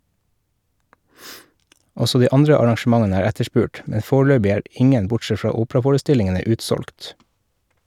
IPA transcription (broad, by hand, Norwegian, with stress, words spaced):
ˈɔsɔ ˈdiː ˈɑndɾə ɑɾɑŋʃm̩ˈɑŋənə ˈæːɾ ˈætəˌʃpʉːʈ ˈmɛ ˈfoːˌɭøːbɪ ˈæːɹ ˈʔɪŋən ˈbʊʈˌsɛt ˈfɹɑː ˈuːpɹɑfoːɹəˌstɪlɪŋənə ˈʉːtˌsɔlkt